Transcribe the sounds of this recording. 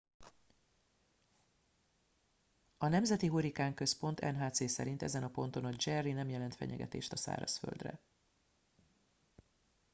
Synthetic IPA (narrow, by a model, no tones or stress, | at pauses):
ɒnɛmzɛt̪iɦuɾikaːŋkø̞spo̞nt̪ɛ̰nɦaːt̪seːsɛɾint̪ɛ̰zɛnɒpo̞n̪t̪o̞nɒd͡ʒɛrːinɛmjɛlɛnt̪fɛ̰ɲɛ̰ɡɛ̰t̪ḛːʃt̪ɒsa̰ːɾɒ̰sfø̰ld̪rɛ̰